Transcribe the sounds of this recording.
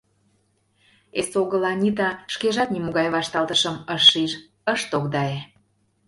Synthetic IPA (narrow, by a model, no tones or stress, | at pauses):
esoɣəlɑnʲit̪ɑʃkeʒɑt̪̚nimoɣɑjβɑʃt̪ɑlt̪əʃəməʃiʒ | əʃt̪okd̪ɑe